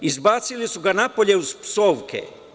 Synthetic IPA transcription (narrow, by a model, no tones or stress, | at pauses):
izbaːt̪silisuɡanapoʎe̞uzpsoːʋkʰḛ